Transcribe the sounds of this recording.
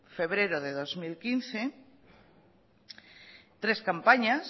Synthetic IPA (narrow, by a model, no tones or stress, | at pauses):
fe̞β̞ɾeɾoðeðo̞zmilkinθe | t̪ɾe̞skampaɲas